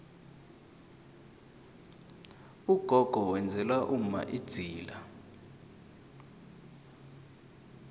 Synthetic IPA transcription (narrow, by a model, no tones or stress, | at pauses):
uɡ̥ʱɔɡ̥ʱɔwɛnd͡zʱɛlwaʔum̩ma̰ʔid̥z̥ʱiːla